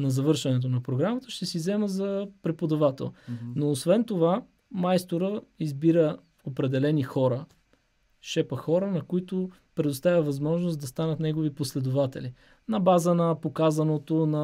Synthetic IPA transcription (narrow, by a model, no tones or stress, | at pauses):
nɐzɐvɤɾʃɐnɛt̪̬onɐpɾoɡɾamət̪əʃt̪ɛsizɛməzɐpɾɛpod̪ɐvat̪ɛ̰lˠnoːsvɛnt̪ova | majst̪oɾəizbiɾə | opɾɛd̪ɛlɛnixɔɾə | ʃɛpəxɔɾənɐkoit̪ʊ | pɾɛd̪ost̪avʲɐvɐzmɔʒnosd̪ɐst̪anət̪nɛɡoviposlɛd̪ovat̪ɛ̰li | nɐbazənɐpokazɐnot̪onɐ